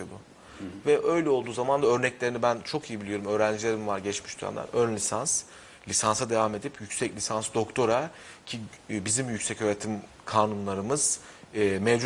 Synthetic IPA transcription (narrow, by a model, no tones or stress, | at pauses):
od̪ʊ | vɛʔø̞jlʲɛo̞lˠd̪uːzamand̪aø̞ɾnɛclʲeɾinibænt͡ʃʰo̞kijibilʲijo̞ɾumø̞ːɾænd͡ʒilʲe̞ɾimvaɾɟɛt͡ʃmi̥ʃt̪ʰyæ̰nd̪æ̰nønlʲisans | lʲisansad̪e̞vame̞d̪ipʰjycsɛclʲisansd̪o̞kt̪ʰo̞ɾa | cʰi | bizimjycsɛcøːɾet̪ʰim | kʰaːnunlˠaɾɯmɯz̥ː | mɛvd͡ʒ